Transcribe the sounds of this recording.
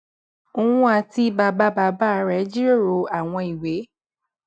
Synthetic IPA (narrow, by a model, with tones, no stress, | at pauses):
o˧ũ˦a˧ti˧ba˧ba˦ba˧˦ba˦˧˦ɾɛ˨˦d͡ʒi˦ɾo˦˨ɾo˨˧˦a˨w̃ɔ̃˧i˨we˨˦